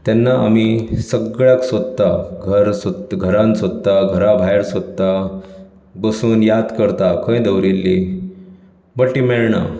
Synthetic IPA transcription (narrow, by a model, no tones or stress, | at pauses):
t̪janːaamisəɡɭjaksəd̪t̪ːaɡʱəɾsəɡʱəɾãnsəd̪t̪ːaɡʱəɾabʱajɾsʋəd̪t̪ːa | bəsuːnjad̪kəɾt̪akə̃ĩd̪əʋɾilːi | bəʈʈimɛɭɳa̰